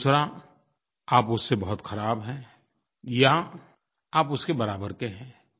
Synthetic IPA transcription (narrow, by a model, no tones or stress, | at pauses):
usɾa | aːpʊsːebɐɦʊt̪xɐɾaːbɦɛ̃ː | ja | aːpʊskebɐɾaːbəɾkeɦɛ̃ː